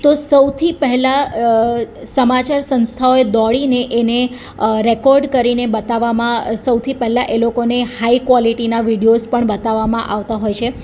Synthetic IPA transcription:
t̪osəwt̪ʰipɛɦɛla | səmat͡ʃaɾsə̃nst̪ʰaoed̪ɔɭineʔene | ɾekɔɾɖkəɾinebət̪aʋamãsəwt̪ʰipɛɦɛlaʔelokonehaikʋɔliʈinaʋiɽijospəɳbət̪aʋːamãʔaʋt̪aɦojt͡ʃʰe

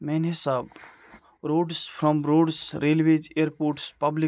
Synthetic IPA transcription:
mɛ̃nesab | ɾoːɖspʰɾɔ̃mɾoːɖsɾelʋed͡ʒeəɾpoːɾʈspabli

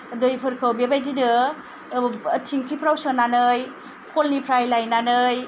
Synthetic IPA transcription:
dɯjpʰɯɾkʰawbebajdidɯ | tʰiŋkʰipʰɾawsɯnanɯj | kʰolnipʰɾajlajnanɯj

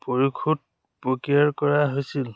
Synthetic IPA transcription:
poɹikʰut̚ | pɹokiaɹkɔɹaɦojsil

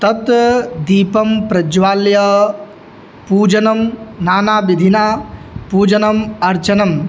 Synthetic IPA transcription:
t̪ɐt̪d̪iːpɐmpɾɐd͡ʒʋaːljɐ | puːd͡ʒɐnɐmnaːnaːbid̪ʱinaːpuːd͡ʒɐnɐmɐɾt͡ʃɐnɐm

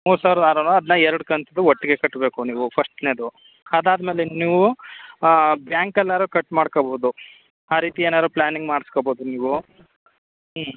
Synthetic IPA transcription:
muːɾsaːʋɾɐd̪aːɾoːnɐd̪nɐɛɾɐɽkɐnt̪ɐd̪uɔʈːiɡe̞kɐʈːbe̞ːkuniːʋupʰɐʂʈneːd̪u | ɐd̪aːd̪me̞ːleniːʋu | bjaːŋkɛlːaːɾukɐʈːmaːɽkobɐɦud̪u | aːɾiːt̪ieːnaːd̪ɾuplaːniŋɡmaːɽiskoboːd̪uniːʋu

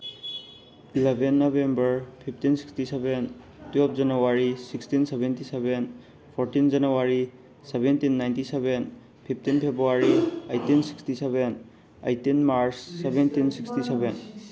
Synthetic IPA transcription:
ilebʱenːɔbembɐɾpʰip̚ʰtinsi̥kstisɛben | tɛp̚d͡ʒɐnuwaɾisikstinsebentiseben | pʰɔɾtind͡ʒanuwaɾi | sebentinːajntiseben | pʰipʰtinpʰebɾuaɾiajtinsi̥kstiseben | a̰jtinmaɾsːebentinsikstiseben

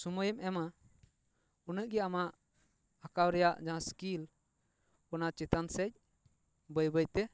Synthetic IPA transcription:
suməjəmɛma | unəʔ̚ɡɛamaʔ | akawɾɛjaʔd͡ʒaãskil | ɔnat͡ʃɛt̪ansɛc̚ | bəjbəjt̪ɛ

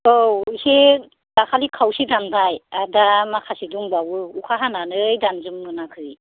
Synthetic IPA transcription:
owhe | dakʰalikʰawsidamdajadamakʰasiduŋbawɯukʰaɦananɯjdanzɯmːɯnakʰɯi

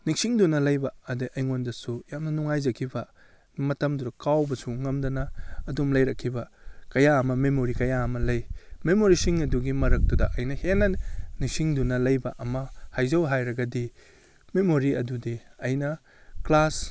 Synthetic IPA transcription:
niŋsiŋdunɐlɐjbɐːdiʔɐjŋondɐsujamnɐnuŋajzɐkʰibɐ | mɐtɐmduɾɐkawbɐsuŋɐmdɐnɐːdumlɐjɾɐkʰːibɐkɐjaɐmɐmemoɾikɐjaɐmɐlɐjmemoɾisiŋɐduɡimɐɾɐk̚tudɐʔɐjnɐhenːɐniŋsiŋdunɐlɐjbɐʔɐmɐhajzɐwɦajɾɐɡɐdi | memoɾiɐdudiɐjnɐ | klas

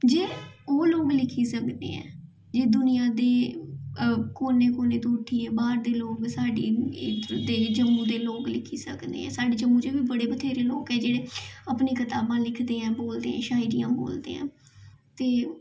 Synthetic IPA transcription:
d͡ʒeːoːloːɡlɪkʰiːsəkd̪ḛːɛ̰̃ː | d͡ʒeːd̪ʊnɪjãːd̪eː | koːneːkoːneːt̪ũːʈʰːiːɛːbaːɾd̪eːloːɡsaːɖiː | d̪eːd͡ʒəmːũːd̪eːloːklɪkʰiːsəkd̪ḛːɛ̰̃ːsaːɖeːd͡ʒəmːuːd͡ʒ̪eːʋiːbəɽeːbət̪ʰeːɾeːloːkɛːd͡ʒeːɽeːəpneːkɪt̪aːbãːlɪkʰd̪eːɛ̃ːboːld̪eːɦɛ̰̃ːʃaːɪɾiːãːbo̰ːld̪ḛːɛ̰̃ː | t̪eː

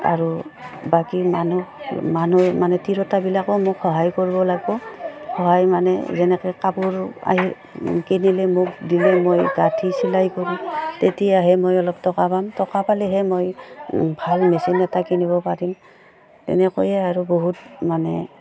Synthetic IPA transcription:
a̰ɹubakimanumanumanɛtiɹɔtabilakɔmʊkʰxɔɦajkoɹibɔlaɡbɔxɔɦajmanɛ̰zɛnɛkɔjkabuɹa̰ɦi | kinilɛmʊk̚dilɛmojɡatʰisilajkoɹimtetijaɦɛmojɔlɔp̚tɔkapamtɔkapalɛɦɛmojbʱalmesinɛtakinibɔpaɹim | tɛ̰nɛkojɛaɹuboɦut̚manɛ

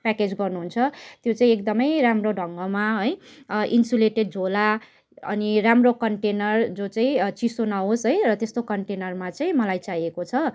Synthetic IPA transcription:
paked͡zɡʌrnuɦunt͡sʰʌt̪jot͡saĩekd̪ʌmʌjramroɖʱʌŋɡʌmaɦojʔinsuleʈeɖ̚d͡zʱola | ʌ̰niramrokʌɳʈenʌrd͡zot͡saĩt͡sisonaɦosɦojrʌt̪est̪okʌɳʈenʌrmat͡saĩmʌlajt͡sajekot͡sʰʌ

